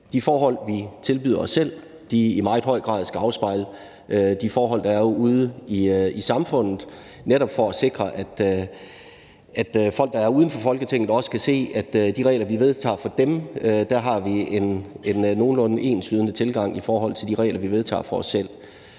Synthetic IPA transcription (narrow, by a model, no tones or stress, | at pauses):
d̥ifɒːɦɒ̽l̰ʋit͡sʰe̝lb̥yð̰ˠɐɒ̽sːel̰ | d̥iimɑ̈ɪð̥ˠɦɒ̽ɪ̰ɡ̥ʁɑ̰̈ːðˠsɡ̥æɑ̈ʊsb̥ɑ̈ɪ̰lə | ød̥ifɒːɦɒ̽l̰d̥ɑ̈æɐouːðˠəiisɑ̈mfɔ̽n̰ð̩ˠ | neɾɒ̽b̥fɒ̽æse̝ɡ̥ʁɐʔæd̥ | ʔæd̥fɒ̽l̰ɡ̥̚d̥ɑæɐuːð̞ˠn̩fɒ̽fɒ̽lɡ̥ət͡sʰeŋ̰ð̩ˠɒ̽sə̥kʰæse̝̰ːæd̥d̥iʁɛ̰ɪlɐʋiʋe̝ðˠt͡sʰɑ̰̈ːfɒ̽d̥emød̥æɦɑ̈ʋiene̝nːo̝ːn̩lɔ̽nəʔe̝̰ːnslyðˠnət͡sʰe̝lɡ̥ɑ̈ŋ̰ifɒːɦɒ̽l̰t͡sʰe̝ld̥iʁɛ̰ɪlʔɐʋiʋe̝ð̞ˠt͡sʰɑ̰̈ːfɒ̽ɒ̽sːel̰